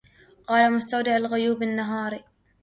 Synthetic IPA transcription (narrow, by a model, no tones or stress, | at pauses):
qɑːlamʊst̪awd̪aʕalɣʊjuːbɪnːaɦɑːɾi